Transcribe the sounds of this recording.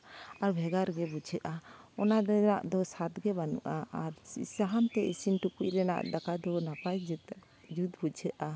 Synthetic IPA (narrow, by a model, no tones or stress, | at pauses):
aɾbʱɛɡaɾɡɛbud͡ʒʰʱəʔaɔnad̪naʔd̪ɔsat̪ɡɛbanṵʔaaɾsaɦant̪ɛʔisinʈukuʔɾɛna̰ʔd̪akad̪ɔnapaj | d͡ʒud̪bud͡ʒʰʱəʔa